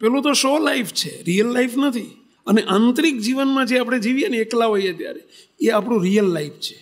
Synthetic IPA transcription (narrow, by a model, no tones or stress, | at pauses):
pɛlũt̪oʃolaift͡ʃʰeɾijəlːaifnət̪ʰi | əneʔãnt̪ɾik̚d͡ʒiʋənmãd͡ʒeapɽ̃ed͡ʒiʋijeneːklaɦoijat̪ja̰ɾe | eapɽ̃ũɾijəlːaift͡ʃʰe̥